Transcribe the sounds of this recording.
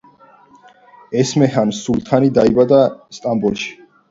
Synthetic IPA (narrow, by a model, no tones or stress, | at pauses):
ɛsmɛɦansult̪ʰanid̪aibad̪ast̪ʼambɔlˠʃi̥